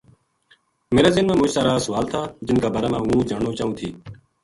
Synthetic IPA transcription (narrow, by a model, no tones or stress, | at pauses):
meːɾaːzɪnmãːmʊ̃ːt͡ʃsaːɾaːsʊʋaːlt̪ʰaːd͡ʒɪnkaːbaːɾaːmãːɦũːd͡ʒaːɳoːt͡ʃaːũːt̪ʰiː